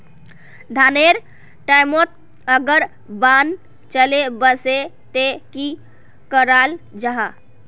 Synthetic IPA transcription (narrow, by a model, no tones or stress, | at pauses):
d̪ʱaneɾ | ʈajmot̪̚ | əɡəɾ | ban | t͡ʃəlebəse | t̪eki | kəɾal | d͡ʒaɦa